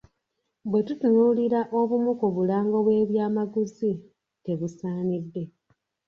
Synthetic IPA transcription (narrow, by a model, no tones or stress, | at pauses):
bwe̞tutunuliɾaʔo̞βumukoβulaːŋɡo̞βwe̞ːβjaːmaɡuzi | te̞βusaːnidːe̞